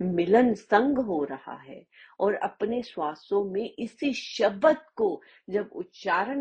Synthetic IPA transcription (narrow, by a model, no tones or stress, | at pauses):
mɪlənsɐ̃ŋɡɦoɾɐha̰ɦɛ̰ː | ɔːɾɐ̰pneswaːsõmẽʔɪsiʃɐbət̪ko | d͡ʒɐbʊ̰t̪ʃaːɾən